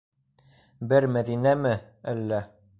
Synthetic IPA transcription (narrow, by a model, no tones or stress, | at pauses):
bɘɾmæðinæmɘ | ælːæ